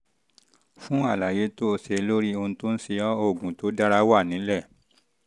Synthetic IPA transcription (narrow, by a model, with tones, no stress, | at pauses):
fũ˦a˦˨la˨je˨˦to˦˧se˧˦lo˦ɾi˦o˧ũ˧to˦n̩˦si˧ɔ˦o˦˨ɡũ˨to˨˦da˦ɾa˦wa˦˨nĩ˨˦lɛ˦˨